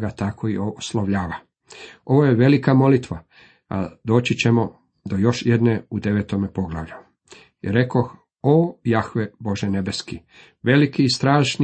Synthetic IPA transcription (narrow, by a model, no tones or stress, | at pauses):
ɡat̪akʰo̞ioslˠoʋʎaːʋa | o̞ʋojeʋe̞likamo̞lit̪ʋa | a̰d̪o̞ːt͡ɕit͡ɕe̞mo̞ | d̪o̞jo̞ʃje̞d̪neud̪e̞ʋeːt̪omepo̞ɡla̰ʋʎu | iɾe̞kox | oːjaxʋebo̞ʒene̞be̞ski | ʋe̞likiːst̪ɾaːʃni